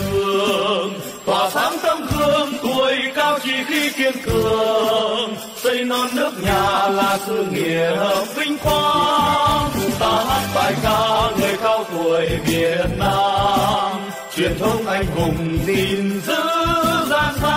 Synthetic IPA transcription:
ɨ˨˧˩əəŋ | t̪waː˨˩t̪ʰaː˨˦ŋt̪ə˧ŋ͡mk̪ʰɨ˧əŋt̪u˨˩əjkaː˧wt͡ɕi˧˩xi˧ki˧ənkɨ˨˩əəəŋ | sə˧jnɔ˧nːɨ˦˥ək̚ɲaː˨˩laː˨˩sɨ˧ŋḭ˨˧˨əhəː˧˩nsï˧ŋ̟kwaː˧ | t̪aː˨˩ɦa˦˥t̚faː˧˩jkaː˧ŋəː˨˩jkaː˧wt̪u˨˩əjvi˨˩ət̚naː˧m | t͡ɕwḭ˨˧˨ənt̪ʰə˧wŋ͡mʔa˧jŋ̟kʊ˨˩ŋ͡mzi˨˩nzɨ̰˧˥zaː˧nha˧

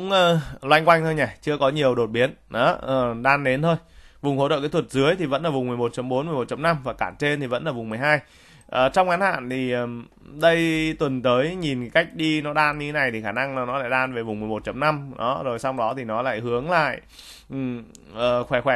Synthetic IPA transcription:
ʊ˧˥ŋ͡mʔəː˧lwa˧jŋkwa˧jŋ̟t̪ʰo˧jɲa˨˩t͡ɕɨ˧əkɔ˨˦ɲi˨˩əwɗo˨˩t̚ɓi˨˦ənʔɔ˨˦ʔəː˨˩ɗaː˧nɗe˨˦nt̪ʰo˧jvʊ˨˩ŋ͡mho̰˧˩t͡ɕə̰ː˧˨˩kːjt̪ʰwə˩t̚zɨ˨˦əjt̪ʰi˨˩və̰˧˥nlaː˨˩vʊ˨˩ŋ͡mmɨ˨˩əjmo˨˩t̚t͡ɕə˨˦mɓo˨˦nm˨˩əjmo˨˩t̚t͡ɕə˨˦mna˧mvaː˨˩kaː˧˩nt͡ɕe˧nt̪ʰi˨˩və̰˧˥nlaː˨˩vʊ˨˩ŋ͡mmɨ˨˩əjɦaː˧j | ʔəː˨˩t͡ɕɔ˧wŋ͡mŋa˨˦nha̰ː˧˨nt̪ʰi˨˩ʔəː˨˩m | ɗə˧jt̪wə˨˩nt̪əː˨˦jɲi˨˩nka˦˥jk̟̚ɗi˧nɔ˨˦ɗaː˧nɲi˧t̪ʰe˨˦na˨˩jt̪i˨˩xaː˧˩na˧ŋː˨˩nɔ˨˦la̰ː˧˨ɗaː˧nve˨˩vʊ˨˩ŋ͡mmɨ˨˩əjmo˨˩t̚t͡ɕə˨˦mna˧mɗɔ˨˦zo˨˩jsa˧wŋ͡mɗɔ˨˦t̪ʰi˨˩nɔ˨˦la̰ː˧˨jhɨ˨˦əŋla̰ː˧˨j | ʔ | ʔəː˨˩xwɛ˧˩xwɛ˧˩

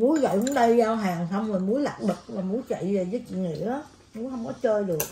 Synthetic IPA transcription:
mu˨˦əjɣə̰˧˨wɨ˨˦ɗə˧jzaː˧wɦaː˨˩ŋsa˧wŋ͡mzo˨˩jmu˨˦əjla̰˨˩p̚ɗɨ˨˩k̚vaː˨˩mu˨˦jt͡ɕə̰˧˨jveː˨˩zəː˨˦jt͡ɕḭ˧˨ŋḭ˧˨əʔaː˨˦ | mu˨˦jɦə˧wŋ͡mkɔ˨˦t͡ɕəː˧jɗɨ˨˩ək̚

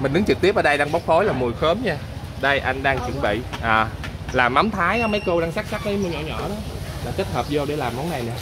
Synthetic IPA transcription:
mï̟˨˩ɗɨ˨˦ŋt͡ɕɨ˨˩k̚t̪i˦˥əp̚ʔəː˨˩ɗjɗaː˧ŋɓa˦˥wk͡p̚fo˨˦jlaː˨˩mu˨˩jxəː˨˦mɲaː˧ | ɗə˧jʔa˧jŋ̟ɗaː˧ŋt͡ɕwə˧˩nɓḭ˧˨ʔəː˨˩laː˨˩mːa˨˦wŋ͡mt̪ʰaː˨˦jʔaː˨˦mə˨˦jko˧ɗaː˧ŋsaː˦˥k̚sa˦˥k̚ɗə˨˦jmu˧ɲɔ̰˧˩ɲɔ̰˧˩˨ɗɔ˨˦ | laː˨˩t͡ɕə˦˥t̚həː˨˩p̚zo˧ɗe˧˩laː˨˩mːɔ˨˦na˨˩jɲaː˧

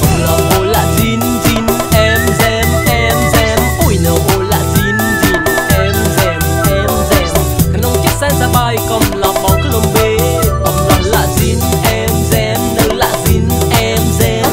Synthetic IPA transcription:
lɔ˨˩wʔo˧˨˩la̰ː˧˨zi˧n | zi˧nʔɛ˧mzɛ˧mʔɛ˧mzɛ˧mfu˧˩jɲə˨˩˦wʔo˧˩la̰ː˧˨zi˧˦n | zi˧˩nʔɛ˧mzɛ˧m | ʔɛ˧mzɛ˧˦m | a˨˩nʔə˧wŋ͡mt͡ɕi˦˥sa˧nsaː˧ɓaː˧˩jkə˧˩mla˨˩m̚ɓa˨wə˧˩mɓe˧˦tɔ˨˩ŋ͡mzə˨˩la̰ː˧˨zi˧n | ʔɛ˧mzɛ˧mɗə˧la̰ː˧˨zi˧˩nʔɛ˧mzɛ˧m

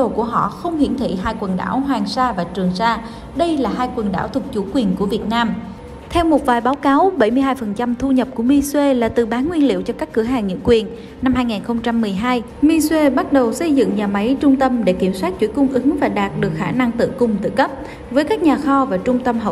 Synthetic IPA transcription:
o˨˩ku˧˩əɦɔ̰˧˨xə˧wŋ͡mhḭ˧˩ənt̪ʰḭ˧˨ɦaː˧jkwə˨˩nɗa̰ː˧˩wɦwaː˨˩ŋsaː˧vaː˨˩t͡ɕɨ˨˩əŋsaː˧ | ɗə˧jlaː˨˩ɦaː˧jkwə˨˩nɗaː˧˩wt̪ʰʊ˨˩k̚t͡ɕu˧˩kwi˨˩ənku˧˩əvi˨˩ət̚naː˧m | t̪ʰɛ˧wmo˨˩t̚vaː˨˩jɓaː˨˦wkaː˨˦wɓə˧˩jmɨ˧əjɦaː˧jfə˨˩nt͡ɕa˧mt̪ʰu˧ɲə˨˩p̚ku˧˩əmi˧swe˧laː˨˩t̪ɨ̰˧˨˩ɓaː˨˦nŋwi˧ənlḭ˧˨əwt͡ɕɔ˧kaː˦˥kːɨ˧˩əɦaː˨˩ŋɲḭ˧˥ŋkwi˨˩ənː | a˧mhaː˧jŋiː˨˩nxə˧wŋ͡mt͡ɕa˧mːɨ˨˩əjɦaː˧j | mi˧swe˧ɓa˦˥t̚ɗə˨˩wsə˧jzɨ̰˧˨ŋɲaː˨˩ma˨˦jt͡ɕʊ˧ŋ͡mt̪ə˧mɗe˧˩ki˧˩əmswaː˦˥t̚t͡ɕwi˧˩əkʊ˧ŋ͡mʔɨ˨˦ŋvaː˨˩ɗaː˨˩t̚ɗɨ˨˩ək̚xaː˧˩na˧ŋt̪ɨ̰˧˨kʊ˨˩ŋ͡mt̪ɨ̰˧˨kə˦˥p̚ | vəː˨˦jkaː˦˥k̚ɲaː˨˩xɔ˧vaː˨˩t͡ɕʊ˧ŋ͡mt̪ə˧mɦə˨˩

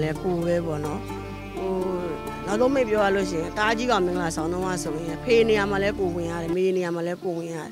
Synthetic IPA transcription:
lɛ˦po˨bɛ˨˦bɔ̰˦˨nɔ˦ | ho˨ | na˨zõ˦mḛ̃˦˨pjɔ˦ja˦˨lo˦˨ʃ̬ɪ̃˨ɪ̃˨t̪a˦d͡ʑi˦ɡã˨mɪ̃˨ŋɡəla˨sʰã˨ʊ̃nʰõ˦ŋã̰˦˨so˨jɪ̃˨a˨pʰe˨ne˨ja˨ma˨lɛ˦po˨wɪ̃˨ja̰˦˨ɾɛ˨me˨ne˨ja˨ma˨lɛ˦po˨wɪ̃˨ja̰˦˨ɾɛ˨

